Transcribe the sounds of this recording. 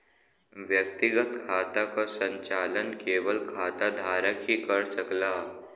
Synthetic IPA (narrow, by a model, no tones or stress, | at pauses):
ʋjək̚t̪ɪɡət̪kʰaːt̪akasə̃ɲt͡ʃaːlənkeːʋəlkʰaːt̪ad̪ʱaːɾəkɦikəɾsəklaː